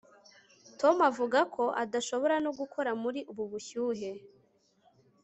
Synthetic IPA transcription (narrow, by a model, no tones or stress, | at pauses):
to̞mavuɡakʰo̞ʔadaʃo̞βo̞ɾanoɡukʰo̞ɾamuɾiʔuβuβuçuːɦe̞